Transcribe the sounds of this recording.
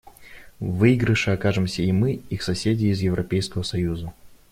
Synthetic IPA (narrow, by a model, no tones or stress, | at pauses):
vɨiɡɾəʂɨɐkaʐɨmsʲəimɨixsɐsʲedʲɪːzjɪvɾʔɐpʲejskəvəsɐjuzə